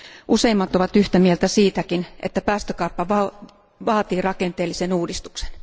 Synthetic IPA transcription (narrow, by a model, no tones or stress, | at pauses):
ʔuseimːɑt̪oʋɑt̪yht̪æmielt̪æsiːt̪ækinʔḛt̪ːæpæːst̪økɑˑupːɑʋɑ | ʋɑːt̪iːrɑkent̪eːlːisenuːdist̪u̥kse̥n